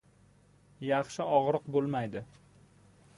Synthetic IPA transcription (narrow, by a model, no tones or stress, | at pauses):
jɑχʃɪɒʁɾɨqbolˠmajd̪ɪ